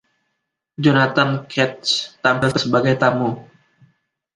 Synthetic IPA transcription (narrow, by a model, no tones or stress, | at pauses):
d͡ʒanat̪ankʰɛt̪̚st̪ampɪlkəsəbaɡajt̪amu